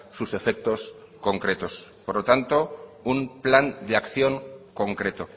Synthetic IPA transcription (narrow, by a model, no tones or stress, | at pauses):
suse̞fek̚t̪o̞s | ko̞ŋkɾe̞t̪o̞spoɾlot̪ant̪o̞umpland̪eakθjo̞ŋko̞ŋkɾe̞t̪o